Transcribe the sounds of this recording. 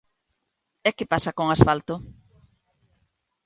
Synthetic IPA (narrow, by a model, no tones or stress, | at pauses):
ɛkɪpasakoŋasfalt̪o